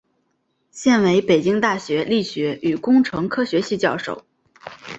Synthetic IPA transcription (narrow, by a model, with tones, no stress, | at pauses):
ɕjɛ˥˩nwe˧˥ɪpe˨˩ɪt͡ɕi˥ŋt̪a˥˩ɕɥɛ˧˥li˥˩ɕɥɛ˧˥y˨˩kʊ˥ŋʈ͡ʂʰɤ˧˥ŋkʰɤ˥ɕɥɛ˧˥ɕi˥˧t͡ɕjɑ˥˧ʊʂo̰˥˩ʊ